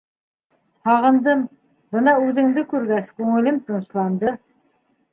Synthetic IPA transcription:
hɑʁɤ̆nd̪ɤm | bɤnɑʉðɘ̆ŋd̪ɘkʉɾɡæskʉŋɘ̆lɘmt̪ɤ̆nslˠɑnd̪ɤ

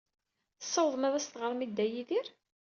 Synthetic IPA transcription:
θəsˤːɑwðˤəmæðæst̪ʁəɾˤmid̪ːæjiðiɾ

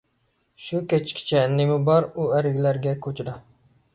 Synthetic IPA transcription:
ʃukʲɛt͡ʃʰkʲʰi̥t͡ʃʰɛnːɪmubɑɾuæɾɪɡʲlæɾɡʲɛkʰʲot͡ʃʰɪd̪ɑ

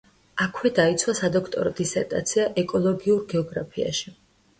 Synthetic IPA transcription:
akʰwɛd̪ait̪sʰwasad̪ɔkʰt̪ʼɔ̰ɾɔd̪isɛɾt̪ʼa̰t̪sʰiaʔɛkʼɔlˠɔɡiuɾɡɛɔɡɾapʰia̰ʃi

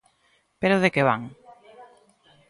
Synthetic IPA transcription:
peɾoðekeβa̰ŋ

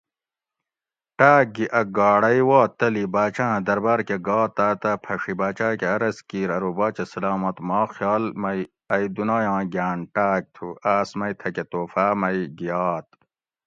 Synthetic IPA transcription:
ʈaːk̚ɡiʔɐɡaːɽɐjwaːt̪ɐlibaːt͡ɕãːd̪ɐɾbaːɾkeɡɑːt̪aːt̪ɐpʰɐʂibaːt͡ɕaːkeɐɾɐskiːɾɐɾubaːt͡ɕɐsɐlaːmɐt̪maːxjɑːlmɐj | ɐjd̪unaːjãːɡaːnʈaːk̚t̪ʰuaːsmɐjt̪ʰɐket̪oːfaːmɐjiɡijaːt̪̚

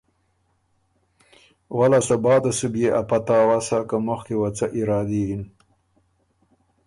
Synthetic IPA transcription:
walasabɑːd̪asubjeʔapat̪aːwasakamʊxkewat͡saʔiɾɑːd̪iin

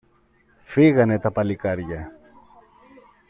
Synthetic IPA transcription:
fiɣɐne̞t̪ɐpɐlikɐɾʝɐ

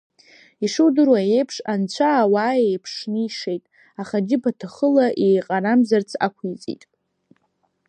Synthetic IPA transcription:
iʂɨdɨrwaje̞jpʰʂant͡ɕʷʰaːwaːe̞jpʰʂnɨiʂe̞jtʼ | aχad͡ʒɪpʰatʰaχəlaʔe̞jqʼaɾamzart͡sʰa̰kʷʰit͡sʼḭtʼ

